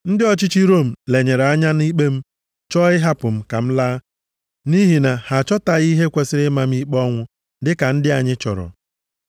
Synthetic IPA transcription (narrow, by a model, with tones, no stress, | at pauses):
n̩˦dɪ˦ɔ˦t͡ʃi˦t͡ʃi˦ɾo˦˨m̩˨le˨ɲe˨ɾa˦ɲa˦ni˦k͡pe˦m̩˦ | t͡ʃɔ˦ɪ˦ɦa˦pʊ˨m̩˦ka˨m̩˦laː˦ | ni˦ɦi˨na˨ha˨t͡ʃɔ˦ta˨ɣi˦ɦe˦kʷe˨sɪ˦ɾɪ˦ma˨m̩˦i˦k͡pɔ˦ŋʷʊ˦ | dɪ˦ka˨n̩˦dɪ˦a˨ɲɪ˦t͡ʃɔ̰˨ɾɔ̰˨